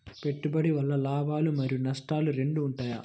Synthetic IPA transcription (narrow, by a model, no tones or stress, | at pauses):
pe̞ʈːubɐɽiʋɐlːɐlaːbaːlumɐɾijunɐsʈaːluɾe̞ɳɖuːɳʈaːja̰ː